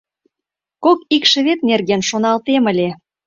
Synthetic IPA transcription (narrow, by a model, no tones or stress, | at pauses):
kokikʃə̆βet̪̚nerɣenʃonɑlt̪emə̆lʲe